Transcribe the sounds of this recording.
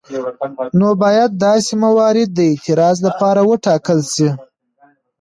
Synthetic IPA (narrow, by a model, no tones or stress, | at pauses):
nobɑjad̪̚ːɑsemawɑɾɪd̪̚ːəɪt̪ɪɾɑzlapɑɾawəʈɑkəlsi